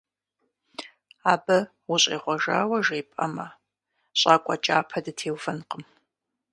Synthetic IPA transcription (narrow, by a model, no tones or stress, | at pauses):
aːbɐ | wʊɕʼḛːʁʷɔʒa̰ːwɐʒeːpʼɐ̰mɐ | ɕʼaːkʷʼɔt͡ʃʼaːpʰɐdɨtʰeːwfɐnqəm